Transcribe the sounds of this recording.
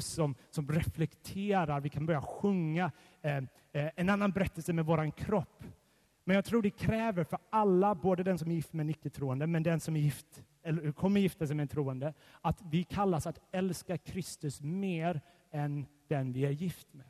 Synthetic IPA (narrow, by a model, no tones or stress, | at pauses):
sɔmsɔmɾɛflɛkt̪ʰeːɾaɾvɪkʰanbœɾjaɧɵŋːa | ɛnanːanbɛɾɛt̪ːəlsəmɛvoːɾankʰɾɔpː | mɛnjaɡt̪ʰɾuːɖɛkʰɾɛːvəɾfœɾalːaboːd̪əd̪ɛnsɔmæɾjɪft̪mɛɛnʏkːət̪ʰɾuːɛnd̪əmɛnd̪ɛnsɔmæɾjɪft̪ | ɛlːkʰɔmːəɾjɪft̪asɛɪmɛɛnt̪ʰɾuːənd̪ə | at̪vɪkʰalːasat̪ɛlskakʰɾɪst̪ɵsmeːɾ | ɛnd̪̥ɛnvɪæɾjɪft̪mɛː